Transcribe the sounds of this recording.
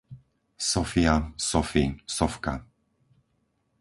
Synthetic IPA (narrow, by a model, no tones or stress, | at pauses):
sɔfiasɔfisɔfka̰